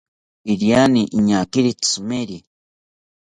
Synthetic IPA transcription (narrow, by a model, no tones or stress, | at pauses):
iɾianiʔɲakiɾit͡sumeɾi